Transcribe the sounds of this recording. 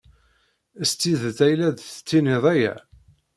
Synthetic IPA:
əst̪ːiðθæjlæðθə̥t͡sːinɪðˤæjæ̰

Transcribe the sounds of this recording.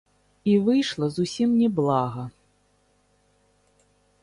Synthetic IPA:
ivɨjʂlˠɐzusʲimnʲɛblˠaɣɐ

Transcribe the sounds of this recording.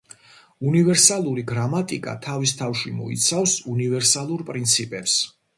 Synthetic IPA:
univɛɾsalˠuɾiɡɾamat̪ʼikʼa̰t̪ʰavist̪ʰafʃimɔ̰ḭt̪sʰafsunivɛɾsalˠuɾpʼɾint̪sʰipʼɛps

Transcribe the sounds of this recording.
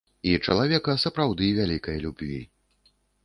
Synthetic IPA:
it͡ʂɐlˠavʲɛkɐsɐpɾawd̪ɨvʲalʲikɐjɐlʲubʲvʲḭ

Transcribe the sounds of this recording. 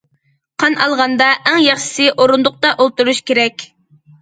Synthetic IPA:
qʰɑnɑlˠʁɑnd̪ɑʔæŋjɑχʃɪ̥sɪʔoɾund̪ʊq̚t̪ɑʔolˠt̪uɾuʃkʲeɾɛkʲ

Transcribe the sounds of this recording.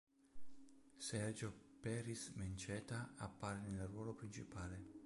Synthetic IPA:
sɛrd͡ʒopɛːɾisment͡ʃɛːt̪aapːaːɾenelrwɔːlopɾint͡ʃipaːle

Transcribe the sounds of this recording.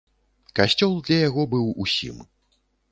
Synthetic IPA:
kasʲt͡sʲɔlˠd̪lʲɐjaɣɔbɨwusʲḭm

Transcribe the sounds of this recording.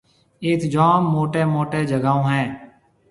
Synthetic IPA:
eːt̪ʰd͡ʒaːmːoːʈeːmoːʈeːd͡ʒəɡaːõːɦɛ̃ː

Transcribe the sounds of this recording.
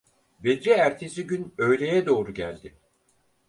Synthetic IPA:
bed̪ɾɛæɾt̪ʰesiɟynø̞jlʲe̞jɛd̪o̞ːɾuɟæ̰lʲd̪ɪ

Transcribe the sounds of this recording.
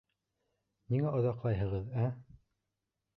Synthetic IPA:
niŋæŏðɑqlˠɑjɦɤ̆ʁɤðæ

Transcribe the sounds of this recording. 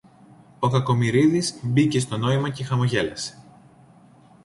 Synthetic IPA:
o̞kɐko̞miɾiðizbice̞st̪o̞no̞imɐce̞xɐmo̞ʝe̞lɐse̥

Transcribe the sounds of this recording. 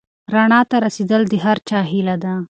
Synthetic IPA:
ɾaɳɑt̪aɾased̪əld̪əɦaɾt͡ʃɑɦilad̪a

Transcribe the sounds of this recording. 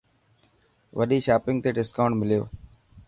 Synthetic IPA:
ʋəɗiːʃaːpɪ̃ŋɡ̚t̪eːɖɪskaːʊɳʈmɪlɪjo̰ː

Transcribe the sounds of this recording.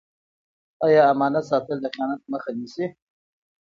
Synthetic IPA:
ɑjɑːmɑnat̪sɑt̪əld̪əqijɑnat̪̚məxanisi

